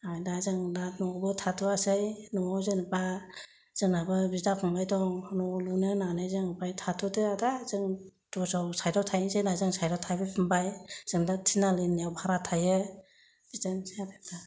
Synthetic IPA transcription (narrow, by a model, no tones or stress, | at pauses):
ajdazɯŋdanɔbɯtʰatʰuasɯjnɔzɯnba | z̥ɯŋnabɯbizdakʰɔŋbajdɔŋnɔlunɯnanɯjzɯŋbajtʰatʰɔtɯadazɯŋd̥ɔzawsajdɔtʰajnizɯjnajzɯŋsajdɔtʰajbɯpʰɯmbajz̥ɯŋdatʰinalɯnijawbʰʱaɾatʰajɯ | b̥izdansjabepta